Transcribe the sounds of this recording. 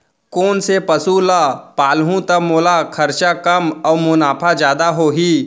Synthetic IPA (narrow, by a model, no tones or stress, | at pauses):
koːnsepɐsulapaːlɦũt̪ɐmoːlakʰɐɾt͡ʃakɐmɔːmʊnaːpʰad͡ʒjaːd̪aɦoːɦiː